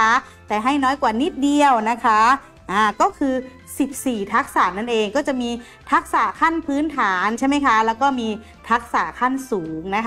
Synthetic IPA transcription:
a˦˥ | t̪ɛː˨˩ɦa˥˩jnɔː˦˥˩jkwaː˨˩ni˦˥˩t̪̚di˧əwna˦˥kʰa˦˥ | ʔaː˧˩kɔː˥˩kʰɯː˧ | si˨˩p̚siː˨˩t̪ʰa˦˥k̚saː˨˩˦nːa˥˩nʔeː˧ŋkɔː˥˩t͡ɕa˨˩ʔmiː˧ | t̪ʰa˦˥k̚saː˩˦kʰa˥˩npʰɯː˦˥nt̪ʰaː˩˦nt͡ɕʰa˥˩jma˥jkʰa˦˥lɛː˦˥wkɔː˥˩miː˧ | t̪ʰa˦˥k̚saː˩˦kʰa˥˩nsuː˩˦ŋna˦˥kʰ

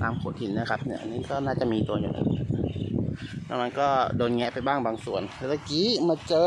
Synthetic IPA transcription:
t̪aː˧mkʰo˨˩˦t̪̚hi˨˦nːna˦˥kʰa˦˥p̚ni˦˥˩ɐʔa˧niː˦˥kɔː˥˩naː˥˩t͡ɕa˨˩ʔmiː˧t̪u˧ɐjṵː˨˩nʔa̰˧˩nna̰˦˧˥ | lɛ̰˦˥ma˧nkɔː˥˩doː˧nŋɛ˦˥pa˧jbaː˥˩ŋbaː˧ŋsu˨˩əna˧˩la˧kiː˦˥maː˧t͡ɕɤː˧

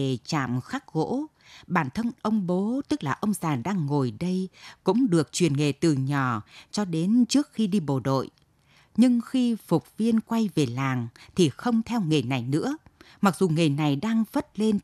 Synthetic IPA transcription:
e˨˩t͡ɕa̰ː˧˨mxa˦˥k̚ɣo̰˧˥ | ɓaː˧˩nt̪ʰə˧nʔə˧wŋ͡mɓo˨˦t̪ɨ˦˥k̚laː˨˩ʔə˧wŋ͡mzaː˨˩nɗaː˧ŋːo˨˩jɗə˧jkʊ̰˧˥ŋ͡mɗɨ˨˩ək̚t͡ɕwi˨˩ənŋe˨˩t̪ɨ˨˩ɲɔ˨˩t͡ɕɔ˧ɗe˨˦nt͡ɕɨ˦˥ək̚xi˧ɗi˧ɓo˨˩ɗo̰˧˨j | ɲɨ˧ŋxi˧fʊ˨˩k͡p̚vi˧ənkwa˧jve˨˩laː˨˩ŋt̪ʰi˨˩xə˧wŋ͡mt̪ʰɛ˧wŋe˨˩jna˨˩jnɨ̰˧˥əma˨˩k̚z̥u˨˩ŋe˨˩jna˨˩jɗaː˧ŋv̥ə˦˥t̚le˧n

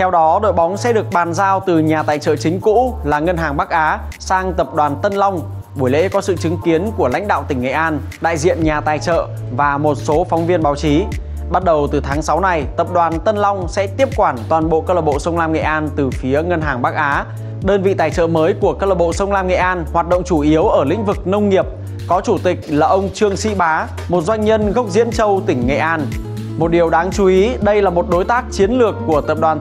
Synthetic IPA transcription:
t̪ʰɛ˧wɗɔ˨˦ɗo̰˧˨jɓɔ˨˦wŋ͡msɛ̰˧˥ɗɨ˨˩ək̚ɓaː˨˩nzaː˧wt̪ɨ˨˩ɲaː˨˩t̪a̰ː˨˩jt͡ɕə̰ː˧˨t͡ɕï˨˦ŋ̟kṵ˧˥laː˨˩ŋə˧nɦaː˨˩ŋɓaː˦˥k̚ʔaː˨˦ | saː˧ŋt̪ə˨˩p̚ɗwaː˨˩nt̪ə˧nlɔ˧wŋ͡m | ɓu˧˩jlḛ˧˥kɔ˨˦sɨ̰˧˨t͡ɕɨ˨˦ŋki˨˦ənku˧˩əla̰˧˥jŋ̟ɗa̰ː˧˨wt̪ï˧˩ŋŋḛ˧˨ʔaː˧n | ɗa̰ː˧˨jzḭ˧˨ənɲaː˨˩t̪aː˨˩jt͡ɕə̰ː˧˨ | vaː˨˩mo˨˩t̚so˨˦fɔ˨˦wŋ͡mvi˧ənɓaː˨˦wt͡ɕi˨˦ | ɓa˦˥t̚ɗə˨˩wt̪ɨ˨˩t̪ʰaː˨˦ŋsa˨˦wna˨˧˩jt̪ə˨˩p̚ɗwaː˨˩nt̪ə˧nlɔ˧wŋ͡msɛ̰˧˥t̪i˦˥əp̚kwaː˧˩nt̪waː˨˩nɓo̰˧˨ʔkəː˧ləː˧˩ɓo̰˧˨sə˧wŋ͡mlaː˧mŋḛ˧˨ʔaː˧nt̪ɨ˨˩fi˨˦əŋə˧nɦaː˨˩ŋɓaː˦˥k̚ʔaː˨˦ | ɗəː˧nvḭ˧˨t̪aː˧˩jt͡ɕə̰ː˧˨məː˨˦jku˧˩əkəː˦˧ləː˧˩ɓo̰˧˨sə˧wŋ͡mlaː˧mŋḛ˧˨ʔaː˧nhwaː˨˩t̚ɗə̰˧˨ŋ͡mt͡ɕu˧˩ʔi˨˦əwʔəː˧˩lḭ˧˥ŋ̟vɨ˨˩k̚nə˧wŋ͡mŋi˨˩əp̚ | kɔ˨˦t͡ɕu˧˩t̪ï˨˩k̟̚laː˨˩ʔə˧wŋ͡mt͡ɕɨ˧əŋsḭ˧˥ɓaː˨˦ | mo˨˩t̚zwa˧jŋ̟ɲə˧nɣə˦˥k͡p̚zḭ˧˥ənt͡ɕə˧wt̪ï˧˩ŋ̟ŋḛ˧˨ʔaː˧n | mo˨˩t̚ɗi˨˩əwɗaː˨˦ŋt͡ɕu˨˦ʔi˨˦ɗə˧jlaː˨˩mo˨˩t̚ɗo˨˦jt̪aː˦˥k̚t͡ɕi˨˦ənlɨ˨˩əkːu˧˩ət̪ə˨˩p̚ɗwaː˨˩n

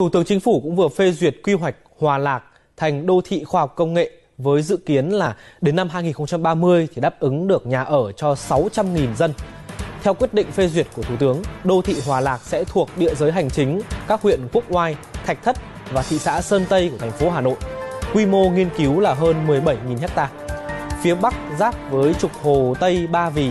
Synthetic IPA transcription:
t̪ʰu˧˩t̪ɨ˨˦əŋt͡ɕï˨˦ŋ̟fu˧˩kʊ̰˧˥ŋ͡mvɨ˨˩əfe˧zwi˨˩ət̚kwi˧wa˨˩jk̟̚hwaː˨˩laː˨˩k̚ | t̪ʰa˨˩jŋ̟ɗo˧t̪ʰḭ˧˨xwaː˧hwk͡p̚kːə˧wŋ͡mŋḛ˧˨ | vəː˨˦jzɨ̰˧˨ki˨˦ənlaː˨˩ɗe˨˦nːa˧mɦaː˧jŋi˨˩nxə˧wŋ͡mt͡ɕa˧mɓaː˧mɨ˧əjt̪ʰi˨˩ɗaː˦˥p̚ʔɨ˨˦ŋɗɨ˨˩ək̚ɲaː˨˩ʔəː˧˩t͡ɕɔ˧sa˨˦wt͡ɕa˧mŋi˨˩nzə˧nt̪ʰɛ˧wkwi˦˥ət̚ɗḭ̈˧˨ŋ̟fe˧zwi˨˩ət̚ku˧˩t̪ʰu˧˩t̪ɨ˨˦əŋɗo˧t̪ʰḭ˧˨ɦwaː˨˩laː˨˩k̚sɛ̰˧˥t̪ʰu˨˩ək̚ɗḭ˧˨əzəː˨˦jɦa˨˩jŋ̟t͡ɕï˨˦ŋ̟kaː˦˥k̚hwḭ˧˨ənku˦˥ək̚ŋwaː˧jt̪ʰa˨˩k̟̚t̪ʰə˦˥t̚ | vaː˨˩t̪ʰḭ˧˨sa̰ː˧˥səː˧nt̪ə˧jku˧˩ət̪ʰŋ̟fo˨˦ɦaː˨˩no̰˧˨jkwi˧mo˧ŋi˧ənki˨˦wlaː˨˩ɦəː˧nmɨ˨˩əjɓə˧˩jŋi˨˩nhɛ˦˥k̚t̪aː˧fi˨˦əɓa˦˥k̚zaː˦˥p̚vəː˨˦jt͡ɕʊ˨˩k͡p̚ho˨˩t̪ə˧jɓaː˧vi˨˩

